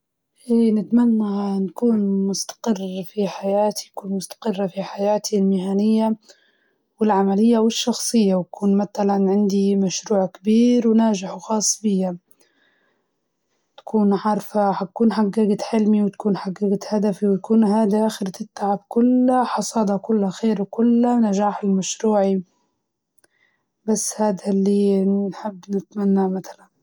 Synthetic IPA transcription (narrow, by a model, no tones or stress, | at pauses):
ʔeːnɪt̪manːanakuːnmʊst̪ḁqɪrːfiħajaːt̪i̥nakuːnmʊst̪ḁqɪrˤːafiħajaːt̪ʰilmɪhaːnɪjːa | wɪlʕamalɪjːawɪʃːɑxsˤɨjːawakuːnmat̪alanʕɪnd̪imaʃɾuːʕkɪbiːɾwnaːd͡ʒɪħwxɑːsˤːbɪjːa | t̪ḁkʰuːnʕɑɾˤfaħakuːnħaɡːaɡɪt̪ħɪlmiwt̪ḁkuːnħaɡːaɡɪt̪had̪afiwt̪akuːnɦaːd̪iʔaːxɪɾt̪ɪt̪ːaʕab̚kʊlːaħɑsˤɑːd̪ɑkʊlːaxeːɾwkʊlːanaʒaːħɪlmaʃɾuːʕi | basːhaːd̪alːiːnħɪbːnɪt̪manːaʕmat̪ḁlan